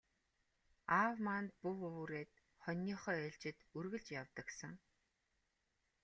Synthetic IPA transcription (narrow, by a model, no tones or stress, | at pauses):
awmant̪̚puwɵwuɾeːt̪ | χɔnʲːiːχœːeːɮt͡ɕɪ̆t̪urɣɘ̆ɮt͡ɕjawt̪ə̆ksə̆ŋ